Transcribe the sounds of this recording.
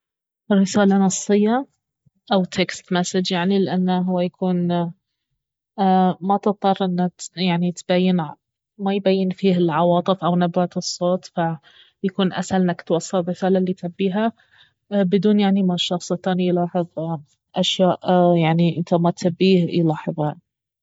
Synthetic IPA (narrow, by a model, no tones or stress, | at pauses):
ɾɪsaːlanɑsˤːɨjːa | ʔawt̪ʰekst̪masɪd͡ʒjaʕnilɪʔanːaɦʊwːajakʰuːn | mat̪ɨt̪ˤːɑrˤːʔɪnːajaʕnit̪b̥ajːɪn | majbajːɪnfiːɦɪlʕɑwɑːt̪ˤɨfʔawnabat̪ɨsˤːoːt̪fa | jakuːnʔa̰salnakt̪wɑsˤːɑlmɪθaːlalit̪abːiːɦa | bɪd̪uːnjaʕnimaʃɑxsˤɨt̪aːnjlɑːħɨðˤ | ʔaʃjaːʔjaʕniʔɪnt̪amat̪abːiːhlɑːħɨðˤaʕni